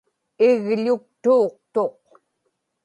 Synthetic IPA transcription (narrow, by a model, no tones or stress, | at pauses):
ɪɣʎʊk̚t̪uːq̚t̪o̞q